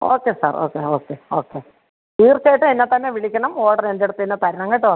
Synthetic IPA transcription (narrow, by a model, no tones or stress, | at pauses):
o̰ːkːe̞sa̰ːro̰ːkːeoːkːeo̞ːkːe | iːrt͡ɕːajiʈːɨenːet̪ːɐnːeʋiɭikʲːɐɳɐmoːɽɐrend̪eɽut̪ːɨenːet̪ɐɾɐnɐŋːɐjʈːɨʋɐn